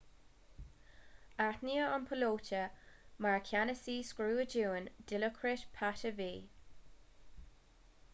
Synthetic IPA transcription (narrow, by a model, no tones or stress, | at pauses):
aɹt̪niːəənpʰəloːt͡ʃəmaɹkʰʲanəsiːskɹuːəd͡ʒuːnd̥ɪləkʰɾɪʃpʰatəviː